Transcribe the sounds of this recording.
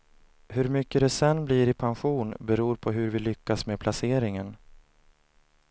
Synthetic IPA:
hɵɾmʏkːəd̪ɛsɛnːbliːɾɪpʰanɧuːnbɛɾuːɾpʰɔɦɵɾvɪlʏkːasmepʰlaseːɾɪŋən

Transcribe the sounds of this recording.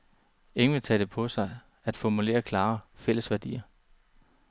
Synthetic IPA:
e̝ŋʋe̝t͡sʰɛ̰ːd̥e̝pʰɒ̽sɑ̈ɪ | æd̥fɒmule̝̰ːɐkʰlɑ̈ːfel̰əsʋæɐd̥ḭːɐ

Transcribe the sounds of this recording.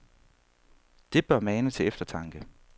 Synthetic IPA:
d̥e̝b̥ɶɐmæːnət͡sʰe̝efd̥ɐt͡sʰɑ̈ŋɡ̥ə

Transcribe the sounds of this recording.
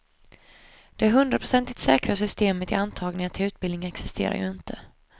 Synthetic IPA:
d̪̥ɛɦɵnd̪ɾapʰɾʊsɛnt̪ɪkt̪sɛːkɾasʏst̪eːmət̪ɪ̰ant̪ʰɑːɡnɪŋaʈ̪ʰɪlʉ̟ːt̪̚bɪld̪nɪŋɛksɪst̪ḛːɾa̰jɵ̰ɪnt̪ʰə

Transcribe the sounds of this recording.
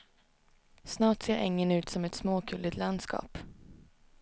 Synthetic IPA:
snɑːʈseːɾʔɪ̰ŋːənʉ̟ːt̪sɔmɛt̪smoːkʰɵld̪ɪt̪land̪skɑ̰ːp

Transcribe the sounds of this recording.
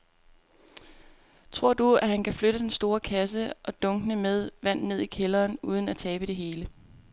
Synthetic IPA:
t͡sʰʁo̝ɐ̰d̥uæhænkʰæfløɾ̥əd̥ensd̥o̝ːɐkʰæs̬əʔɒ̽d̥ɔ̽ŋɡ̥ənəmeð̞ˠʋæn̰ne̝ð̞̰ˠikʰelɐːnuːð̞ˠən̩æt͡sʰɛːb̥əd̥e̝ɦe̝ːlə

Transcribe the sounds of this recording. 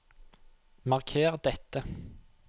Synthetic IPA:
mɑʁkʰeːʁd̪ɛt̪ːə

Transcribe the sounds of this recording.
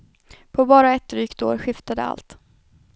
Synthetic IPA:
pʰɔbɑːɾaɛt̪ːɾyːkt̪o̰ːɾɧɪft̪ad̪əa̰lt̪

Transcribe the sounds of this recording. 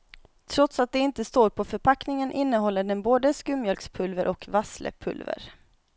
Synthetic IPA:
t̪ʰɾɔt̪sat̪̚d̪ɛɪnt̪əst̪oːɾpʰɔfœɾpʰaknɪŋənʔɪnːəɦɔlːəɖɛnboːd̪əskɵmːjœlkspʰɵlvəɾʔɔkvaslə̰pʰɵ̰lvə̰ɾ

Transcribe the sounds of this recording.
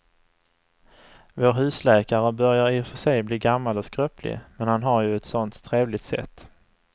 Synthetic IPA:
voːɾɦʉ̟ːslɛːkaɾəbœɾjaɾɪfœʂɛjbliːɡamːalɔskɾœːpʰlɪ̰mɛnhanɦaɾjɵɛt̪sɔnt̪ʰːɾeːvlɪt̪sɛ̰t̪ː

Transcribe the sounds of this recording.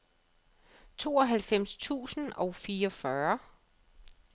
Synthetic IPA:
t͡sʰo̝̰ːɒ̽ɦælfem̰st͡sʰṵːsn̩ɒ̽ʊfiːɒ̽fɶɐ

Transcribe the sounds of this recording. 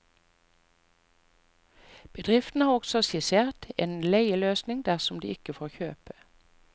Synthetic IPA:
b̥əd̪ʁɪft̪n̩hɑːʁɔɡsɔsɪseːʁt̪ḛːnleɪəløːsnɪŋd̪æʁsɔmd̪ḭːɪkəfoːʁçøːpə̥

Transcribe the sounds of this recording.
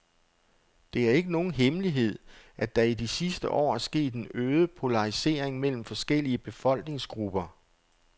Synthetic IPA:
d̥e̝æɐe̝ɡ̥əno̝ːn̩ɦemliɦe̝ð̞̰ˠʔæd̥ɑ̈idisisd̥əʔɒ̰ːæɐsɡ̥e̝̰ːd̥e̝nøːðˠəpʰo̝lɑ̈ʁise̝̰ːɐ̰eŋmel̰m̩fɒ̽sɡ̥el̰iəb̥e̝fɒ̽l̰ɡ̥ne̝ŋsɡ̥ʁub̥ɐ

